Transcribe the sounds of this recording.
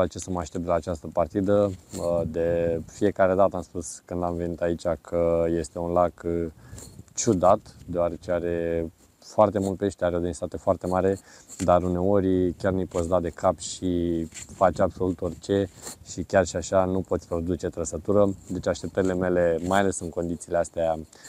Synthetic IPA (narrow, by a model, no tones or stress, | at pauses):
at͡ʃesəməaʃt̪ep̚t̪d̪laːt͡ʃast̪əpart̪id̪əd̪e̞fie̞kaɾe̞d̪at̪əamspuskɨnd̪amve̞nit̪ait͡ʃakʰəje̞st̪e̞unlak | t͡ʃud̪at̪d̪eoaɾe̞t͡ʃeaɾe̞ | foart̪e̞mult̪̚peʃt̪eaɾeo̞d̪einst̪at̪e̞foart̪e̞maɾe̞d̪aɾune̞o̞ɾʲkʲarnujpot̪s̬ʲd̪ad̪e̞kʰapʃifat͡ʃʲabso̞lut̪o̞rt͡ʃe̞ʃikʲarʃiaʃanupo̞t̪sʲpɾod̪ut͡ʃe̞t̪ɾəsət̪uɾəd̪e̞t͡ʃaʃt̪e̞p̚t̪əɾʲileme̞le̞majale̞sɨnko̞nd̪it̪siːleast̪ea